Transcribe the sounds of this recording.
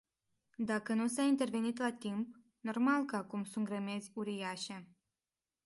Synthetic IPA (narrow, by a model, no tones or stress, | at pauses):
d̪akənus̬aint̪e̞rve̞nit̪lat̪imp | no̞rmalkəakumsunt̪ɡɾəme̞zʲuɾijaʃe̞